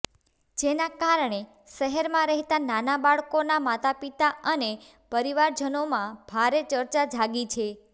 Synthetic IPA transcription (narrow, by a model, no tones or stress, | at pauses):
d͡ʒenakaɾɳ̃e | ʃəɦɛɾmãɾəɦt̪ananabaɭkonamat̪ʰapit̪aəne | pəɾiʋaɾd͡ʒənomãb̥ʱaɾet͡ʃəɾt͡ʃad͡ʒʱaɡit͡ʃʰe